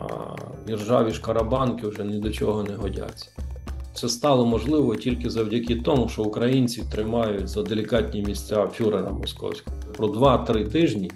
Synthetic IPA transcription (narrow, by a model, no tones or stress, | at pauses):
dʲirʒɑʋʲiʃkɐɾɐbɑnkɪwʒɛnɛd̪ɔt͡ʃɔɦɔnɛɦɔdʲa̰t͡sʲːɐ̥sɛst̪ɑlˠɔmɔʒlˠɪʋɔtʲilʲkɪzɐwdʲɐkʲit̪ɔmʊʃt͡ʃɔʊkɾɐjinʲt͡sʲit̪ɾɪmɑjʊtʲzɐd̪elʲikɑtʲnʲimʲisʲt͡sʲafʲuɾɐɾɐ̰mɔskɔ̰wsʲkɔɦɔpɾɔd̪ʋɑt̪ɾɪt̪ɪʒnʲi